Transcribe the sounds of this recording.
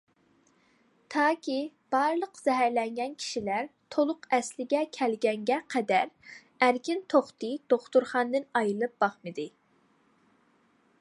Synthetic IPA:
t̪ʰɑːkʲi | b̥ɑɾlˠəqz̥ɛɦæɾlɛŋɡʲɛnkʲʰi̥ʃilæɾt̪ʰolˠʊqɛslɪɡʲɛkʲʰælɡʲɛŋɡʲɛqʰɛd̪æɾ | æɾkʲɪnt̪ʰoχt̪ɨd̪̥oχt̪uɾχɑnd̪ɨnɑjɨlˠɨp̚b̥ɑχmɨd̪ɨ

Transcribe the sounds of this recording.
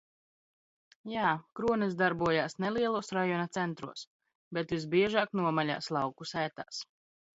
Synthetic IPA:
jaːkɾuɔnisd̪aɾbuɔjaːsneliɛlˠuɔsɾajɔnat̪sɛnt̪ɾṵɔs | bet̪vis̬biɛʒaːknuɔmalʲa̰ːslˠɑwkusæːt̪a̰ːs

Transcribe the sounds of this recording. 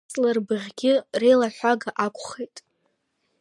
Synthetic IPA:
sʼlarbɨʁʲɡʲɪrejlaħʷᶣaɡaʔakʷʼχejtʼ

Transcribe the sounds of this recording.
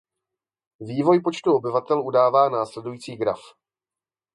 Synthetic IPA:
viːvo̞jpo̞t͡ʃt̪uo̞bɪvat̪ɛlʔudaːvaːnaːslɛdujiːt͡siːɡɾa̰f

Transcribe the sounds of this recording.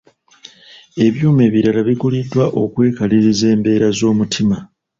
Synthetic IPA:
e̞βjuːme̞ːβiɾalaβiɡulidːwaʔo̞kwe̞ːkaliɾize̞ːmbe̞ːɾazo̞ːmutʰima

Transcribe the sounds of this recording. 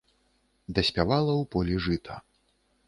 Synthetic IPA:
d̪ɐsʲpʲavalˠɐwpɔlʲiʐɨt̪ʰɐ

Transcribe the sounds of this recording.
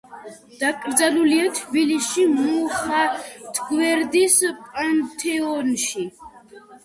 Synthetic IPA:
d̪̥akʼɾd̪zaluliat̪ʰbilisʃimuχat̪ʰɡwɛɾd̪ispʼant̪ʰʼɛɔnʃi

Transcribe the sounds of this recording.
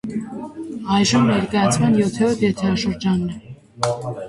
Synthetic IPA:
ɑjʒəmnɛɾkɑjɑt͡sʰmɑnjɔt̪ʰɛɔt̪ɛt̪ʰɛɑʃəɾd͡ʒɑnːɛ

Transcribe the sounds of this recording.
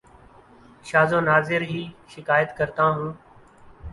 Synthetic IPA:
ʃaːzõːnaːzɪɾɦiːʃɪkaːjət̪kəɾt̪ãːɦũː

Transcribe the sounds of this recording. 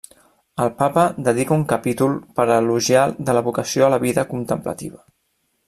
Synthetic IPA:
əlˠpapəd̪əðikəuŋkəpit̪ulˠpəɾəluʒjad̪ələβukəsioələβiðəkunt̪əmplə̰t̪ḭβə

